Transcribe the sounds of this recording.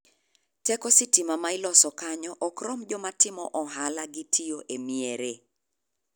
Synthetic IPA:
tɛkɔsɪtimamaɪlɔsɔkaɲɔʔɔkɾɔmd͡ʒɔmatɪmɔʔɔɦalaɡɪtʰioʔemieɾe

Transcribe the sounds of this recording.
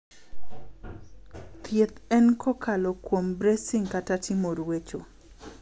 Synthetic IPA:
t̪ʰjet̪ɛnkʰɔkʰalɔkwombɾesiŋkatatʰɪmoɾwet͡ʃo

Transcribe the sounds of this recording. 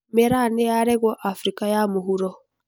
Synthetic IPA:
mɛɾaneaɾɛɣɔʔafɾikajamoɦuɾɔ

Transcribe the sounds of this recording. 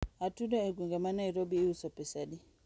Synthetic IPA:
atudɔɛɡwiŋɡɛmanaiɾɔbiusɔpɛsaɗi

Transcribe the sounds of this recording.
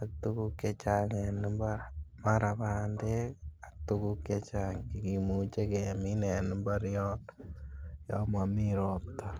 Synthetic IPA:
at̪ukukːet͡ʃaŋɛnimbamaɾaβaːndeat̪ukukːet͡ʃaŋkikimut͡ʃekɛminɛnimbaɾjɔt | jɔ̰mamiɾɔp̚t̪a

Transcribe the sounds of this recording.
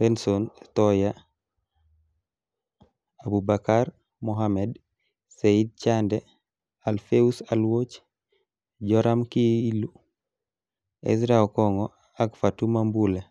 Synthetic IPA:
pensontɔja | abubakaɾ | moɦamed | seid̚t͡ʃande | alfeusalwot͡ʃ | ɟɔɾamkiilu | ḛs̬ɾawkɔŋɔ | akfatumambule

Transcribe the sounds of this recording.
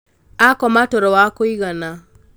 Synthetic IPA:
akɔmatɔɾɔwakoiɣana

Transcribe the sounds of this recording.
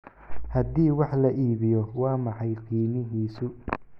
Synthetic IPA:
hɐd̪iːwɑħlɐʔiːβɪjɔwɑːmɑħɑjqiːmɪɦiːsʊ

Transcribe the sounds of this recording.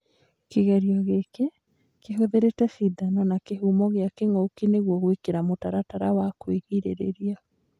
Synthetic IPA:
keɣɛɾiɔɣeke | keɦoðeɾetɛsidanɔnakeɦumɔɣeakeŋokineɣwɔɣwekeɾamotaɾataɾawakweɣiɾḛɾḛɾia

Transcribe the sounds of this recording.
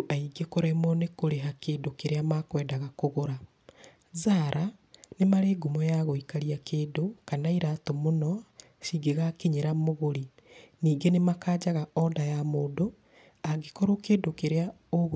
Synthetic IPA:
ʔaiɡekoɾɛmɔnekoɾeɦakeːndokeɾeamakwɛːdaɣakoɣoɾa | zaɾʔa | nemaɾeːɡumɔjaɣoikaɾiakeːndokanaiɾatomonɔ | ʃiɡeɣakeɲeɾamoɣoɾi | niːŋɡenemakaːd͡ʑaɣaɔdajamoːdo | aɡekɔɾokeːndokeɾea | oɣ

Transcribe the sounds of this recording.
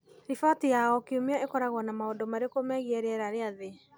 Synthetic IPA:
ɾifatijaɔkiomeɔʔekɔɾaɣwɔnamaondomaɾekomɛɣiɛɾɛɾaɾeaðe

